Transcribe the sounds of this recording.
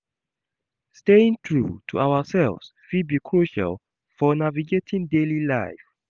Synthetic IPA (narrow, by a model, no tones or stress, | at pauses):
steɪ̃ŋtɹṵtʰuʔawəsɛlvsfid̚bikʰɹuʃa̰lˠ | fɔnaviɡetʰĩndelila̰ɪf